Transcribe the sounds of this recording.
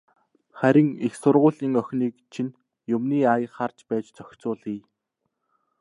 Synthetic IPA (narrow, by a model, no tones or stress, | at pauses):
χæɾʲɪ̆ŋixsʊrʁʊːɮiːŋœxʲniːkt͡ɕʰin | jʊmniːajə̆χart͡ɕpæːt͡ɕt͡sœxʲt͡sʊːɮiː